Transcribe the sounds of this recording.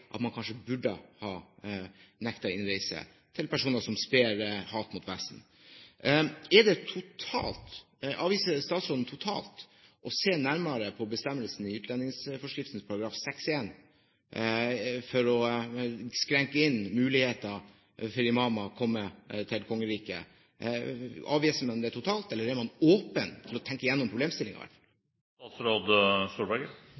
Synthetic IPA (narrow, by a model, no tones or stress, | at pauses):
ʔɑ̰t̪mɑnkʰɑnʂəbʉɖə̰hɑː | nɛkt̪ɑɪnɾæɪsə̰ | t̪ʰɪlpæʂuːnəsɔmspeːɾhɑːt̪mʊt̪ʋæsn̩ | ɛɖɛt̪ʰʊt̪ʰɑ̰ːlt̪ | ʔɑːʋiːsəst̪ɑːt̪sɾɔd̪n̩t̪ʰʊt̪ʰɑ̰ːlt̪ʔɔseːnæɾməɾəpʰɔbəst̪ɛmːəlsn̩ɪʉːt̪lɛnɪŋsfɔʂkɾɪft̪n̩spʰɑɾɑɡɾɑːfsɛkseːn | fɔɾɔ | skɾɛŋkəɪnmʉːlɪheːt̪ɑ | fɔɾɪmɑːmɑkʰɔmːət̪ʰɪlkʰɔŋːəɾiːkə̰ | ɑ̰ːʋiːsəmɛnmd̪ɛæʈʰʊt̪ʰɑːlt̪ɛlːəɾɛɾmɑnoːpənt̪ʰɪlɔt̪ʰɛŋkəɪjɛnːɔmpʰɾʊbleːmst̪ɪlɪ̰ŋɪ̰ʋæ̰ʈfɑl | t̪ɑːt̪sɾoːd̪st̪uːbæɡə